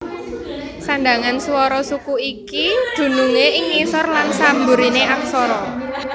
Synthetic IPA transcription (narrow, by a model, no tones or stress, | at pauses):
sanɖaŋansuwɔɾɔsukuikid̪̥ṳnuŋeɪŋːisɔrlansambuɾineʔak̚sɔɾɔ